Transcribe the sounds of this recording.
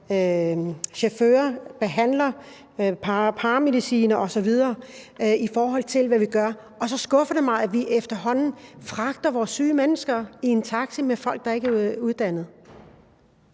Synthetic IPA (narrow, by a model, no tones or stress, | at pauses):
ɕefø̰ːɐb̥e̝ɦæn̰lɐ | pʰɑpʰɑ̈ːme̝ðˠisḭːnɐʔɒ̽sɒ̽ʋið̞ˠɐːifɒːɦɒ̽l̰t͡sʰe̝lʋæʋiɡ̥ɶɐ | ɒ̽sɒ̽sɡ̥ɔ̽fɐd̥e̝mɑ̈ɪæʋiʔefd̥ɐɦɒ̽n̰n̩fʁɑ̈ɡ̥̚d̥ɐʋɒːsːyːmenəsɡ̥ɐie̝nt͡sʰɑ̈ɡ̥simefɒ̽l̰ɡ̥̚d̥ɑ̈e̝ɡ̥æuð̞ˠd̥æn̰ð̞̩ˠ